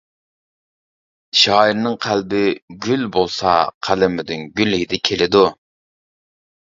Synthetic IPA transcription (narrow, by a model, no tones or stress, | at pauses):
ʃɑːiɾnɨŋqʰælbɪɡʲylbolˠsɑ̰qʰælɪmɪd̪ynɡʲylhid̪ɪkʲʰelɪd̪u